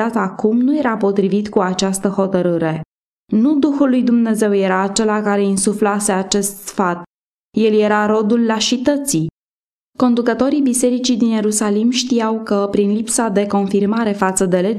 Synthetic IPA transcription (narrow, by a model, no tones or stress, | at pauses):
at̪akumnuje̞ɾapo̞t̪ɾivit̪kuat͡ʃast̪əho̞t̪əɾɨɾe̞ | nud̪uxulːujd̪umne̞ze̞wje̞ɾaːt͡ʃe̞lakaɾe̞insuflase̞at͡ʃe̞st̪fat̪ | je̞lje̞ɾaɾo̞d̪ulːaʃit̪ət̪si | ko̞nd̪ukət̪o̞ɾibise̞ɾit͡ʃid̪inje̞ɾusalimʃt̪ijawkəpɾinlipsad̪e̞ko̞nfirmaɾe̞fat̪səd̪e̞le